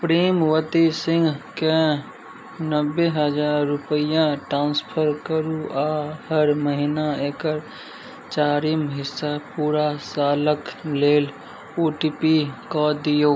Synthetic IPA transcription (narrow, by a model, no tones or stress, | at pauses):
pɾiːmwət̪isɪ̃ŋɡke | nəbːeɦəd͡ʒaːɾːʊpəijãʈɾãːnspʰəɾkəɾuʔaːhəɾməɦinaeːkəɾ | t͡ʃaːɾimɦɪsːapuːɾasaːləkleːl | oːʈipikɔd̪ijo